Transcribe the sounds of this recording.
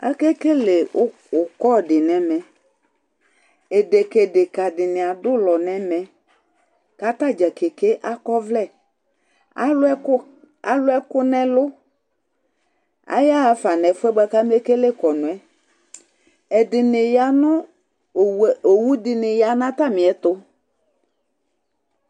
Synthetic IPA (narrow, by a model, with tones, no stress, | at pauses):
a̰˦ke˦ke˦lɪ˨˦ | ʊ˨kɔ˦˨dɪ˨nɛ˨mɛ˨ | e˨de˨ke˨dɪ˨ka˨dɪ˨nɪ˨a˨dʊ˦lɔ˨nɛ˨mɛ˨ | ka˨ta˦˨d͡ʒɛ˨kɪ˨ke˦ʔa˦kɔ˦vlɛ˦˨ | a̰˨˦lʊ˦ɛ˦ʊ˦ | a˦lʊ˦ɛ˦kʊ˦nɛ̃˦lʊ˦ | a̰˦ja˦a˨fa˨nɛ˨fɛ˦ba˦ka˦me˦ke˦le˦kɔ˨nʊ̃˨ɛ˨ | ɛ˨dɪ˨nɪ˨ja˨nʊ˦˨ | o˨wu˦dɪ˨nɪ˨ja˨nã˦t̪a˦mɪ̃˨ɛ˨˦t̪ʊ˦